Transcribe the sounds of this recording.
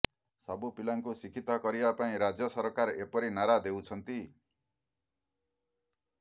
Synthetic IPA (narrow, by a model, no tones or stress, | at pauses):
sʌbupilaŋkusikʰit̪ɔkʌɾibapaĩɾad͡zjʌsʌɾkaɾepɔɾinaɾad̪ewt͡sʰʌnt̪i